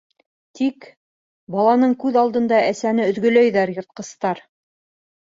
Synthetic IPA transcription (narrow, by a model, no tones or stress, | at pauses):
t̪ik | bɑlˠɑnɤɴkʉðɑlˠd̪ɤ̆nd̪ɑæsænɘɵ̆ðɡɵ̆læjðæɾjŏɾt̪̚qɤ̆st̪ɑɾ